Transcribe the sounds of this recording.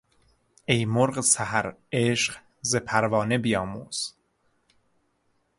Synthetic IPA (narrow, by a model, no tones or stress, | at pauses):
ejmoɾɢsæhæɾeʃɢ | zepʰæɾvɒːnebijɒːmuːz̥